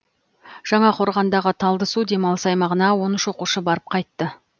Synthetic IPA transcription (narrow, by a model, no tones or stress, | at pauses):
ʒ̥ɑɴɑqʰo̞ɾʁɑnd̪ɑʁət̪ʰɑlˠd̪əsud̪e̞mɑlˠəsɑjmɑʁənɑwo̞nəʃwo̞quʃəbɑɾəp̚qʰɑjt̪ːə